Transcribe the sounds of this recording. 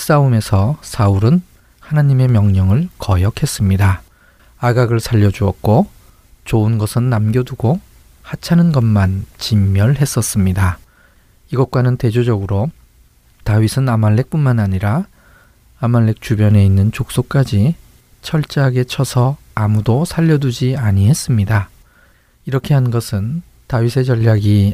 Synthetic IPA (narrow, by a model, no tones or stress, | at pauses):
s͈aume̞sʰʌsʰauɾɯn | hanaɲime̞mjʌŋɲʌŋɯɭkʌjʌkʰe̞s͈ɯmɲida | aɡaɡɯɭsʰaʎːʌd͡ʑuʌt̚k͈o | t͡ɕoɯnɡʌsʰɯnːamɡjʌduɡo | hat͡ɕʰanɯnɡʌnmant͡ɕimːjʌɭɦe̞s͈ʌs͈ɯmɲida | iɡʌt̚kwanɯnte̞d͡ʑod͡ʑʌɡɯɾo | taɥisʰɯnamaɭːe̞k̚p͈unmanaɲiɾa | amaɭːe̞k̚t͡ɕ͈ubjʌne̞inːɯnt͡ɕok̚s͈ok͈ad͡ʑi | t͡ɕʰʌɭt͡ɕ͈aɦaɡe̞t͡ɕʰʌsʰʌ | amudosʰaʎːʌdud͡ʑiaɲiɦe̞s͈ɯmɲida | iɾʌkʰe̞ɦannɡʌsʰɯn | taɥisʰe̞t͡ɕʌʎːaɡi